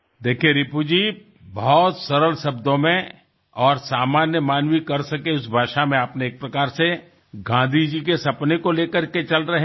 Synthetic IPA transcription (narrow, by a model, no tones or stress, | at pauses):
d̪eːkʰieɾɪpud͡ʒiː | bɔɦɔt̪sɐɾəlʃɐbd̪õmẽ | ɔːɾsaːmaːnjəmaːnwikɐɾsɐkeʊsbʱaːʃamẽapneːk̚pɾɐkaːɾse | ɡãːd̪ʱid͡ʒikesɐpnekoleːkəɾket͡ʃɐlɾɐɦẽ